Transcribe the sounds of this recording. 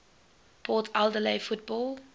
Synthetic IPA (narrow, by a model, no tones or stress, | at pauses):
pʰɔːtʰalˠdəleɪfut̚bɔːlˠ